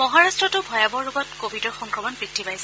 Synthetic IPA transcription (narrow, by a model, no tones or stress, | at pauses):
mɔɦaɹastɹɔtʊbʱɔjabɔɹːʊɡɔtkobʱidɔɹxɔŋkɹɔmɔnpɹitʰːipajsɛ